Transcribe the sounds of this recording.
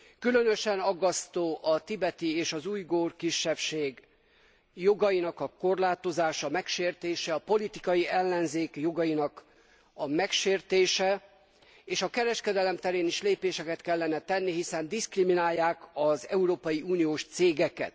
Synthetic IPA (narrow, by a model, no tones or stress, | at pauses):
kylø̞nøʃɛnɒɡːɒst̪oːʔɒt̪ibɛt̪ieːʃɒzuːjɡoːrkiʃːɛpʃeːɡ | joɡɒjinɒkɒko̞rlaːt̪o̞zaːʃɒmɛkʃeːrt̪eːʃɛɒpo̞lit̪ikɒjiɛlːɛnzeːkjo̞ɡɒjinɒk | ɒmɛkʃeːrt̪eːʃɛ | eːʃɒkɛɾɛʃkɛd̪ɛlɛmt̪ɛɾeːniʃleːpeːʃɛkɛt̪kɛlːɛnɛt̪ɛnːiɦisɛnd̪iskriminaːjːaːkɒzɛ̰uɾoːpɒjiuːnijoːʃt̪seːɡɛkɛ̰t̪